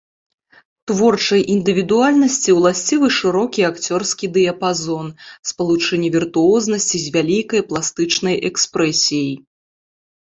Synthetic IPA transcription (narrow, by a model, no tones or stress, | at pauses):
t̪vɔrt͡ʂɐjʔind̪ɨvʲid̪ualʲnɐsʲt͡sʲiwlˠasʲt͡sʲivɨʂɨɾɔkʲiakt͡sʲɔrskʲid̪ɨjɐpazɔnspɐlˠut͡ʂɛnʲːivʲirt̪uɔznɐsʲt͡sʲizʲvʲalʲikɐjplˠast̪ɨt͡ʂnɐjʔɛkspɾɛsʲijɐj